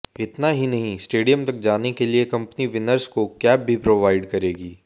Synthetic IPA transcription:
ɪt̪naɦinɐɦĩsʈeːɖijəmt̪ɐk̚d͡ʒaːnekeliekɐ̃mpniʋɪnəɾskokɛːb̚bʱipɾoːʋaːɪɖkɐɾeːɡiː

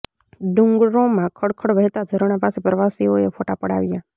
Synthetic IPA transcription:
ɖũŋɡɾõmãkʰəɽkʰəɽʋəɦt̪ad͡ʒʱəɾəɳapasepɾəʋasioefʰoʈapəɽa̰ʋja

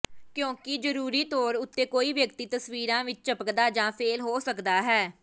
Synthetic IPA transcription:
kjõːkɪd͡ʒəɾuːɾiːt̪ɔːɾʊt̪ːeːkoːiːʋjəkt̪iːt̪əsʋiːɾãːʋɪt͡ʃt͡ʃəpəkd̪aːd͡ʒãːpʰeːlɦoːsəkd̪aːɦɛː

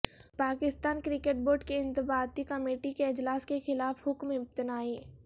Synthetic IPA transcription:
paːkɪst̪aːnkɾɪkeʈ̚boːɾɖkeɪ̃nt̪ɪbaːt̪ikɐmeːʈikeɪd͡ʒlaːskexɪlaːfɦʊkmɪp̚t̪ɪnaːi

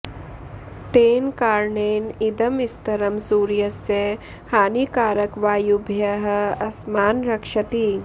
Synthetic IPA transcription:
t̪eːnkaːɾɳeːnɪd̪ɐmɪst̪ɐɾɐmsuːɾjɐse | haːnikaːɾɐkʋaːjubʱjɐɦ̆ɐsmaːnɾɐkʃɐt̪i

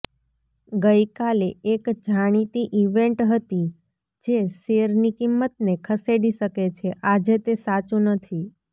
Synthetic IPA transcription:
ɡəjkaleekd͡ʒʱaɽ̃it̪iʔiʋeɳʈɦət̪i | d͡ʒeseɾnikimːət̪̚nekʰəseɽiʃəket͡ʃʰeʔad͡ʒet̪esat͡ʃũnət̪ʰi

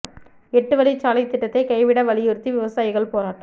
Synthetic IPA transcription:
ɛʈːɯʋɐlit͡ʃːaːlɐɪt̪ːɪʈːɐt̪ːɐɪkɐɪʋɪɽɐʋɐɭɪjɯɾt̪ːiʋɪʋɐsaːjɪɣɐɭpoːnaː

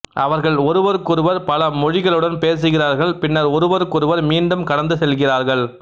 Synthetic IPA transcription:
ʔɐʋɐɾɣɐɭɔɾɯʋɐɾɯkːʊɾɯʋɐɾpɐlɐmɔɻɪɣɐɭɯɽɐnpeːs̬ɯɣɪraːɾɣɐɭpɪnːɐɾɔɾɯʋɐɾɯkːʊɾɯʋɐɾmiːɳɖɯmkɐɽɐnd̪ɯsɛlɣɪraːɾɣɐɭ

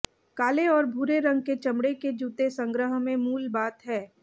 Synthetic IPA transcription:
kaːleɔːɾbʱuːɾeɾɐ̃ŋɡ̚ket͡ʃɐmɽeked͡ʒuːt̪esə̃ŋɡɾəɦmẽmuːlbaːt̪ɦɛː

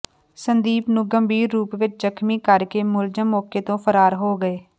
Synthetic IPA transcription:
sənd̪iːpnũːɡəmbiːɾːuːpʋɪt͡ʃzəkʰmiːkəɾkeːmʊld͡ʒəmːɔːkeːt̪õːpʰəɾaːɾɦoːɡəeː

